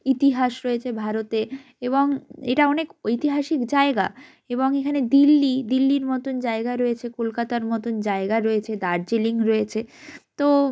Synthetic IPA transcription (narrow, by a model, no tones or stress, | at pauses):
it̪iɦaʃɾɔet͡ɕʰebʱaɾot̪e | eboŋeʈaɔnekojt̪iɦaʃikd͡ʑaeɡa̰ | eboŋekʰaned̪ilːid̪ilːiɾmɔt̪ond͡ʑaeɡaɾɔet͡ɕʰekolkat̪aɾmɔt̪ond͡ʑaeɡaɾɔet͡ɕʰed̪aɾd͡ʑiliŋɾɔet͡ɕʰet̪o